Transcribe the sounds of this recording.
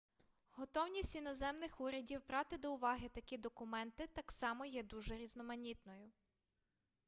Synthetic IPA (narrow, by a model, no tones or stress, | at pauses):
ɦɔt̪ɔwnʲisʲtʲinɔzɛmnɪxuɾʲɐdʲiwbɾɑt̪ɪd̪ɔʊʋɑɦɪt̪ɐkʲid̪ɔkʊmɛnt̪ɪt̪ɑksɑmɔjɛd̪uʒɛɾʲiznɔmɐnʲit̪nɔjʊ